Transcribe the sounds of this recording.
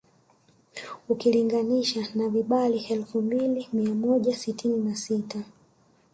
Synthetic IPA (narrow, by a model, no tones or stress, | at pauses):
ukiliŋɡaniʃanaviɓaliɛlfumbilimiamɔʄasitʰininasita